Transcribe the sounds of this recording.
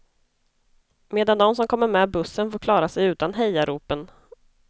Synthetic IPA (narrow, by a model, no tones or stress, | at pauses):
meːd̪and̪ɔmsɔmkʰɔmːəɾmɛːbɵsːənfoːɾkʰlɑːɾasɛjʉ̟ːt̪anɦɛjaɾuːpən